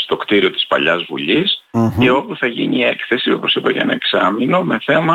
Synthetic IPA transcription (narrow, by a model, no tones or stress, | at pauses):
st̪o̞kt̪iɾio̞t̪i̥spɐ̰ʎɐzvṵʎise̞o̞puθɐʝḭnie̞kθe̞sio̞posipɐʝɐ̰nɐeksɐmino̞me̞θe̞mɐ